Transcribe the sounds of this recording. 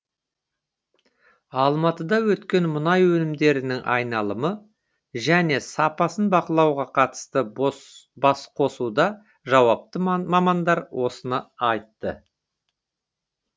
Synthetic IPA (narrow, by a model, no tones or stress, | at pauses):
ɑlˠmɑt̪əd̪ɑwɵt̪kʲe̞nmʊnɑjwɵnɪmd̪e̞ɾɪnɪŋʔɑ̰jnɑlˠəmə | ʒæne̞sɑpɑsənbɑqəlˠɑwʁɑqʰɑt̪ə̥st̪ə | bɑsqʰo̞sud̪ɑ | ʒɑwɑp̚t̪əmɑmɑnd̪ɑɾwʔo̞sənɑɑjt̪ːə̰